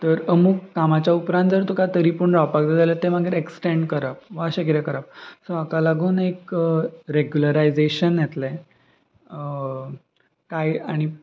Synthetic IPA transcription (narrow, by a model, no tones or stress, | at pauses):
t̪əɾəmukːamat͡ɕjaupɾãnt̪d͡zəɾt̪ukat̪əɾipuːɳɾapakd̪et̪alət̪emaɡeɾeksʈeɳɖkəɾap̚ʋaɕaɡiɾakəɾap̚soakalaɡuːnekɾeɡjuləɾajd͡zeɕənjɛt̪lɛ | kajaɽ̃i